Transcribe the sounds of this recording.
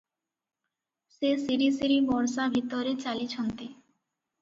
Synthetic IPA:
sesiɾisiɾibɔɾsabʱit̪oɾet͡ɕalit͡ɕʰont̪e

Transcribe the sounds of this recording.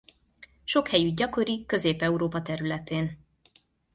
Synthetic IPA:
ʃo̞khɛjyɟ̚ɟɒko̞ɾikːø̞zeːpɛuɾoːpɒt̪ɛɾylɛt̪eːn

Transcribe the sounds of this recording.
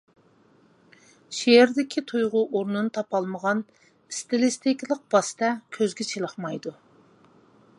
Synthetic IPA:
ʃeɪɾd̪ɪkʲʰit̪ʰujʁʊʔoɾnɨnɨt̪ʰɑpɑlˠməʁɑn | st̪ɪlɪst̪ɪkʲlˠəq̚b̥ɑst̪ɛkʲʰøzɡʲɪt͡ʃʰelˠəχmɑjd̪u

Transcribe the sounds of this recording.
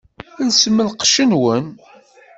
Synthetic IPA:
lsəmːəlqʃənwən

